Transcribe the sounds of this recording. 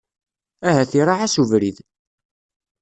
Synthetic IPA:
æɦæθiɾˤaʕæsuvɾið

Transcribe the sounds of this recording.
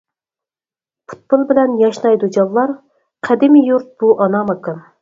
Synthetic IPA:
pʰu̥t̪̚bolˠbɪlɛnjɑʃnɑjd̪ud͡ʒɑlˠlːˠɑɾ | qʰæd̪ɪmɪjuɾt̪̚b̥uʔɑnɑmɑkɨn

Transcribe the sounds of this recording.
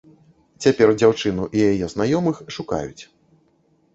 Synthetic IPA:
t͡sʲapʲɛrd͡zʲawt͡ʂɨnuʔijajɛznajɔmɨxʂuka̰jut͡sʲ

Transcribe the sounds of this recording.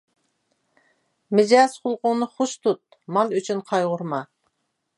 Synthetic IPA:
mɪd͡ʒɑsqʰʊlˠqʊŋnɨχʊʃt̪ʰut̪̚ | mɑlˠyt͡ʃʰynqʰɑjʁʊɾmɑ

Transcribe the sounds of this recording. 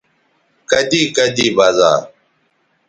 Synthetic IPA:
kəd̪iːkəd̪iːbazã̰ː

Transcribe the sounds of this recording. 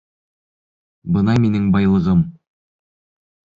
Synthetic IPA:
bɤnɑminɘŋbɑjlˠɤ̆ʁɤm

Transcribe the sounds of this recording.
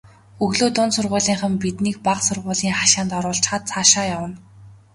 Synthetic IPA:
ɵɣɮoːt̪ʊnsʊrʁʊːɮiːŋχə̆mpit̪niːk̚paqsʊrʁʊːɮiːŋχaʃaːnt̪ɔɾʊːɮɬt͡ɕχaːt̪̚t͡sʰaːʃaːjawə̆n

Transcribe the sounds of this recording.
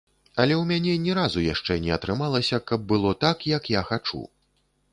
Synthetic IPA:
ɐlʲɛwmʲanʲɛnʲɛɾazujaʂt͡ʂɛnʲɛɐt̪ɾɨmalˠɐsʲɐkɐb̚bɨlˠɔt̪akjɐkjaxat͡ʂṵ

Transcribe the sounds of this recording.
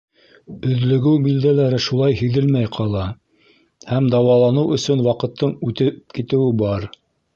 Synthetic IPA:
ɵ̆ðlɵ̆ɡɘwbild̪ælæɾɘʃulˠɑjɦɘ̆ðɘlmæjqʰɑlˠɑ | hæmd̪ɑwɑlˠɑnɤwɵ̆sɵnwɑqɤ̆t̪ʰːɤɴʉt̪ɘp̚kit̪ɘ̆wɘbɑɾ

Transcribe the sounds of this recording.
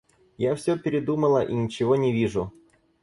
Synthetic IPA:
jafsʲɵpʲɪɾʲɪd̪uməlˠəʔinʲɪt͡ɕɪvo̞nʲɪvʲiʐʊ

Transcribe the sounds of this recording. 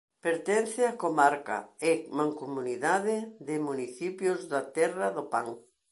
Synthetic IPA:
peɾt̪ɛn̟θɪakomaɾka̰ɪmaŋkumuniðaðɪðɪmuniθipjʊzðat̪ɛrɐðʊpaŋ

